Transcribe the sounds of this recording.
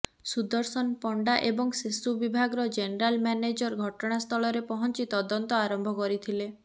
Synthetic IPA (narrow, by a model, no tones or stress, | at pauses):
sud̪ɔɾsɔnpɔɳɖaʔebɔŋsesubibʱaɡɾɔd͡ʒeneɾalmjaned͡ʒɔɾɡʱɔʈɔɽ̃ast̪ʰɔlɔɾepɔɦɔnt͡ʃit̪ɔd̪ɔnt̪ɔaɾɔmbʱɔkɔɾit̪ʰile